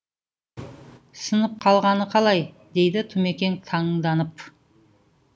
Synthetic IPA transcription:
sənəp̚qʰɑlˠʁɑnəqʰɑlˠɑj | d̪e̞jd̪ɪt̪ʰʊme̞kʲe̞nt̪ʰɑɴd̪ɑnəp

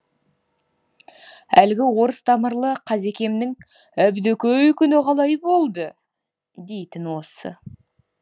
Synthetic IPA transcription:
ælɡʲɪwo̞ɾəst̪ʰɑməɾlˠəqʰɑze̞kʲe̞mnɪŋ | æbd̪ɵkʲøjkʲʏnɪqʰɑlˠɑjbo̞lˠd̪ə | d̪e̞jt̪ɪnwo̞sə̰

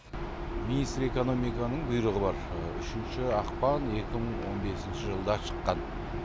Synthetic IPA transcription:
minijst̪ɾe̞ko̞no̞mijkɑnəɴbʊjɾəʁəbɑɾ | ʏ̰ʃɪnʃɪɑqpɑne̞kʲɪməɴwo̞nbe̞sɪnʃɪʒəlˠd̪ɑʃə̥qːɑn

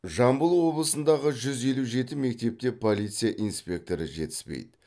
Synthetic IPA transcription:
ʒɑmbəlˠwo̞blˠəsənd̪ɑʁəʒʏze̞luʒe̞t̪ɪme̞k̚t̪e̞p̚t̪e̞pʰo̞lˠijt̪sɨjaʔijnspʲe̞k̚t̪o̞ɾəʒe̞̰t̪ɪ̥spḛjd̪ɪ

